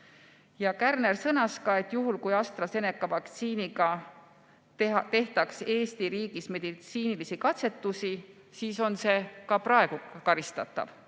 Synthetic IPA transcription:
jɑkærne̞rsɤnɑskɑe̞t̪ːjuɦulkujɑst̪rɑse̞ne̞kːˑɑvɑkt̪siːniɡɑ | t̪e̞ht̪ɑkse̞ːst̪iɾiːɡisme̞d̪̥it̪siːnilisikɑt̪se̞t̪ːˑusi | siːso̞nse̞kɑpɾɑe̞ɡ̥ukɑɾist̪ɑt̪ːˑɑ̰v̥

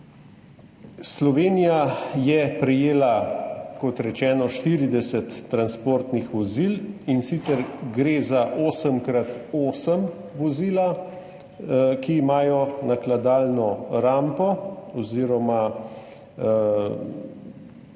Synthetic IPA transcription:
slɔʋeːnijajɛpɾɛjeːlakɔt̪ɾɛt͡ʃɛːnɔʃt̪iːɾid̪ɛsɛt̪ːɾanspoːɾt̪nixʋɔzilinsit̪sɛɾɡɾezaʔoːsəmkɾat̪oːsəm | ʋɔziːla | kiːmaːjɔnaklad̪aːlnɔɾampɔɔziːɾɔma

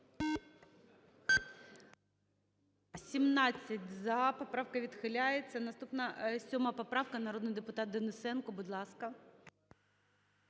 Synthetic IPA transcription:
sʲimnat͡sʲːɐtʲzɐpɐpɾawkɐʋʲit̪xɪlʲajɪt̪sɐnɐst̪upnɐsʲɔmɐpɐpɾawkɐnɐɾod̪nɨjd̪ɨpʊt̪at̪̚d̪ɛnɪsɛnkɔbʊd̪lˠɑskɐ

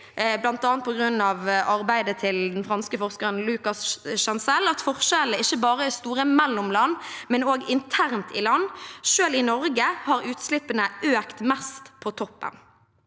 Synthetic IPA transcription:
blɑnt̪ɑːnt̪pɔɡʁʉnːɑʋʔɑʁbæɪd̪ət̪ʰɪld̪ɛnfʁɑnskəfɔʁskəʁənlʉkɑsʃɛnsɛlɑt̪fɔʁʃɛləɪçːəbɑːʁəɪst̪uːʁəmɛlːʊmlɑnːmɛnoːɡɪnt̪ʰæʁnt̪ʰɪlɑnːʃøːlɪnɔʁɡəhɑʁʉːt̪slɪpːənəʔøːkt̪mɛst̪pʰɔt̪ʰɔpːə̰n

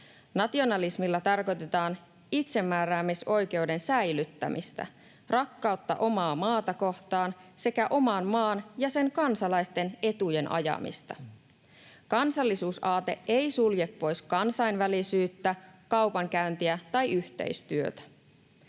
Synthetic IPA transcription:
nɑt̪io̞nɑlismilːɑt̪ɑrko̞jt̪e̞t̪ɑːn | it̪se̞mːæːɾæːmːiso̞jk̟e̞uwde̞nsæjlyt̪ːæ̰mʔist̪æ̰ | rɑkːɑut̪ːɑ̰ʔo̞mɑːmɑːt̪ɑko̞ht̪ɑːnse̞kæʔo̞mɑnmɑːnjɑse̞ŋkɑnsɑlɑjst̪e̞ne̞t̪uje̞nʔɑ̰jɑ̰mḭst̪ɑ̰ | kɑnsɑlːisuːsɑːt̪e̞̰e̞jsulje̞pːo̞jskɑnsɑjnʋælisyːt̪ːækɑwpɑŋkæynt̪iæt̪ɑjyht̪ḛist̪yø̰t̪æ̥

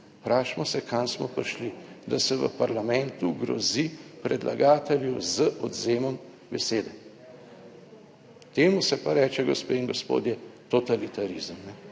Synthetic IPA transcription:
pɾaːʃmɔsɛkʰansmɔpɾʃlid̪asɛʋə̰paɾlamɛnt̪uɡɾɔ̰zipɾɛd̪lʔa̰ɡaːt̪ɛljɛwzəʔɔd̪zeːmɔm | bɛseːd̪ɛ | t̪eːmusɛpaɾɛːt͡ʃɛɡɔspeiŋɡɔspo̰ːd̪jɛt̪ɔt̪alit̪aɾizmnɛ

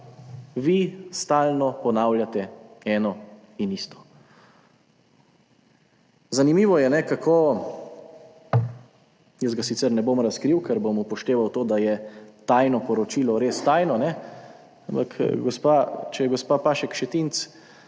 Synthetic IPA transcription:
ʋist̪aːlnɔpɔnaːwljat̪ɛɛːnɔ | inist̪ɔ̥ | zanimiːʋɔjɛnɛkakʰoː | jəsɡasit̪sɛɾnɛbomɾaskɾiwkɛɾbomupɔʃt̪eːʋawt̪oːd̪ajɛt̪aːjnɔpɔɾɔt͡ʃiːlɔɾeːst̪aːjnɔnɛ | ampakɡɔspat͡ʃɛjɛɡɔspaːpaːʃɛkʃɛt̪int̪s

